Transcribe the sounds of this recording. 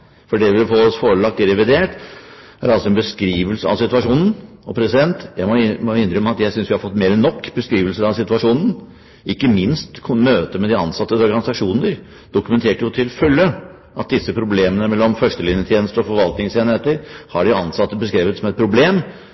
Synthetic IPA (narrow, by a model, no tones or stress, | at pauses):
fɔɖɛʋɪlfɔɔsfoːɾəɭɑk̚t̪ɪɾɛʋɪd̪eːʈ | æɾɑlsɔɛnbəskɾiːʋəlsəɑ̰ʋsɪt̪ʉɑʂuːnn̩ɔpʰɾɛsɪd̪ɛnt̪jæɪmɔmɔɪnːɾʏmːəɑt̪jæɪsʏnsʋɪhɑɾfɔt̪ːmeːɾənɔkːbəskɾiːʋəlsəɾɑʋsɪt̪ʉɑʂuːnən̩ | ʔɪkːəmɪnst̪k̪ʰmøːt̪əmɛd̪ɪɑ̰nsɑt̪ːəɔɾɡɑnɪsɑkʂuːnəɾ | d̪̥ʊkʉmɛnt̪ʰeːʈjʊt̪ʰɪlfœlːə | ʔɑt̪̚d̪ɪsːəpʰɾʊbleːmənəmɛlːɔmfœʂʈəlɪnjət̪ʰjeːnəst̪əɾɔfɔɾʋɑlt̪nɪŋseːnheːt̪əɾhɑɖɪɑnsɑt̪ːəbəskɾiːʋət̪sɔmɛt̪̚pʰɾʊbleːm